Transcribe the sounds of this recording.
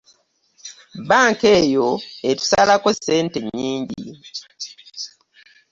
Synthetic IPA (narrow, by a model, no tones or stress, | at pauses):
baŋkejoetu̥salakosɛnteɲiːɲɟḭ